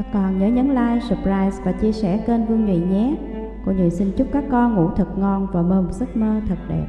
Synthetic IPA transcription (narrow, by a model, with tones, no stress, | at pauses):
a˦˥kːɔ˨˩nɲəː˨˦ɲə˨˦nla̰ː˧˨jsə˨˩p̚zaː˧˩jzvaː˨˩t͡ɕi˧əsɛ˧˩ke˧nvɨ˧əŋɲwḭ˧˨ɲɛ˦˥ | kṵ˧˩ŋɨ̰˨˧˨əjsï˧nt͡ɕʊ˦˥k͡p̚kaː˦˥kːɔ˧nŋṵ˧˩t̪ʰɨ˨˩t̚ŋɔ˧˩nvaː˨˩məː˧mzə˦˥t̚məː˧t̪ʰə˨˩t̚ɗḛ˨˧˩